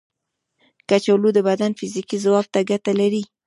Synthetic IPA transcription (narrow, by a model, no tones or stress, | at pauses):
kat͡ʃawlud̪əbad̪anfizikizawab̚t̪aɡat̪alaɾi